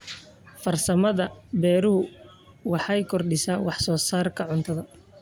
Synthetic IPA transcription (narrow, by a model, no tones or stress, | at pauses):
fɐrsɐmɐðɐbɛːɾʊhʊ | wɑħɑjkʰɔrɖɪsaːwɑħsɔːsaːrkʰɐʕʊnt̪ʰɐðɐ